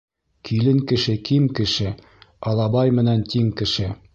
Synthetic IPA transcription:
kʰilɘŋkɘ̆ʃɘkimkɘ̆ʃɘ | ɑlˠɑbɑjmɘ̆nænt̪iŋkɘ̆ʃɘ

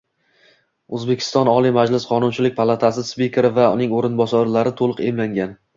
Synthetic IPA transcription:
ɵzbe̞kʲʰɪ̥st̪ɒnɒlˠimad͡ʒlɪsqʰɒnʊnt͡ʃʰɪlɪkʲpʰalˠat̪ʰasɪspʲikʰʲɾɪvaʊnɪŋoɾɪnbɒsɒɾlaɾɪt̪ʰolˠɨqḛmlaŋɡʲan

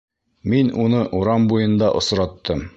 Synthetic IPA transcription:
minunɤʔuɾɑmbujɤ̆nd̪ɑʔŏsɾɑt̪ːɤm

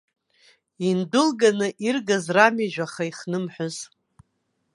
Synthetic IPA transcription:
indʊlɡanɨʔirɡazramiʒᶣʷaχaiχnɨmħʷʊz

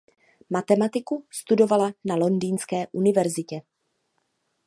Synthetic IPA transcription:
mat̪ɛmat̪ɪkust̪udo̞valanalo̞ndiːnskɛːʔunɪvɛɾzɪcɛ

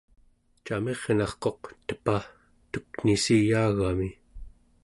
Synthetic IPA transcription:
t͡ʃame̞ʁnɑχqo̞qt̪ə̥pa | t̪uknisijaːɣami

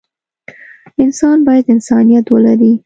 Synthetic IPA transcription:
ɪnsɑnbɑjad̪ɪnsɑnijat̪wəlaɾi

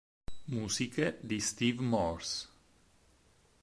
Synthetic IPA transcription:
musiked̪ist̪ivmɔɾs

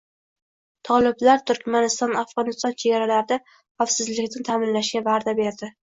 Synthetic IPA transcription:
t̪ʰɒlˠɪblaɾt̪ʰʊɾkʲmanɪst̪ɒnafʁɒnɪst̪ɒnt͡ʃʰe̞ɡʲaɾalaɾɪd̪a | χafsɪzlɪkʲnɪt̪ʰamɪnlaʃɡʲavaɾd̪abe̞ɾd̪ɪ

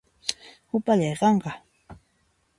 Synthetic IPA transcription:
hʊpaʎɑjqɑɴɢɑ

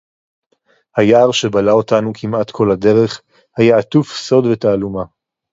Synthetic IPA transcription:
hajaːʁʃe̞balao̞tanukʰimatkʰo̞lade̞ʁe̞χ | hajaat̪ufso̞dve̞taːluma

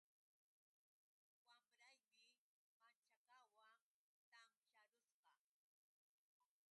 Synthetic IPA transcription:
wamɾajmɪ | mant͡ʃakawaŋ | t̪amʃaɾʊsqɑ

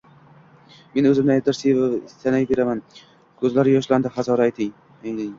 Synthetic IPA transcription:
me̞nɵzɪmd̪ad̪ɪɾsevɪst̪anajbe̞ɾaman | kʲʰɵzlaɾɪjɒʃland̪ɪχazɒɾaːjt̪ʰɪŋ | eŋlɪŋ

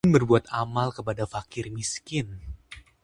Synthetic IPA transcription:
nbərbuat̪amalkəpadafakɪrmiskɪn

